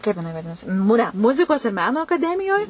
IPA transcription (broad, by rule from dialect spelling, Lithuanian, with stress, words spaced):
ˈkɐɪp jɪˈnɐɪ ʋɐˈdʲɪnɐsʲɪ mʊɛ ˈmʊzʲɪkoːs ɪr ˈmʲæːnoː ɐkɐˈdʲæːmʲɪjoːj